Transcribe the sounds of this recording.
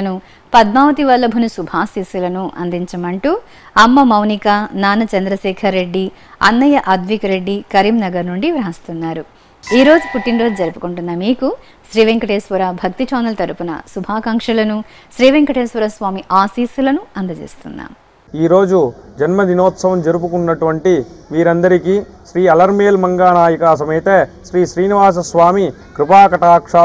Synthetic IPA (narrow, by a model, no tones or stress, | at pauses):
ɐnu | pɐd̪̚maːʋɐt̪iʋɐlːɐbʱunusubʱaːsiːsulɐnuʔɐ̰nd̪iɲt͡ʃɐmɐɳʈuː | ɐmːɐmɐwnikɐnaːnɐt͡ʃɐnd̪ɾɐʃɛːkʰɐɾːe̞ɖːi | ɐ̰nːɐjɐʔɐd̪ʋikɐɾe̞ɖːikɐɾimnɐɡɐɾnuɳɖiʋɾɐɦɐst̪unːaːɾu | iːɾo̞ːd͡ʒupuʈːinɾoːd͡ʒud͡ʒɐɾupu̥kuɳʈunːɐmiːku | ʃɾiːʋeŋkɐʈeːsʋɐɾabʱɐk̚t̪it͡ʃɔːnɐlt̪ɐɾupunɐ̰subʱaːkɐŋkʂɐlɐnu | ʃɾiːʋeŋkɐʈeːsʋɐɾɐsʋaːmiʔaːsiːsulɐnuɐnd̪ɐd͡ʒḛːst̪unːa̰ːm | iːɾo̞ːd͡ʒud͡ʒɐnmɐd̪inɔːt̪sɐʋɐmd͡ʒɐɾupukunːɐʈuʋɐɳʈiʋiːɾɐnd̪ɐɾikiːʃɾiːɐlɐɾmeːlmɐŋɡaːnaːjɐkaːsɐmeːt̪eːʃɾiːʃɾiːniʋaːs̬ɐsʋaːmi | kɾupaːkɐʈaːkʂaː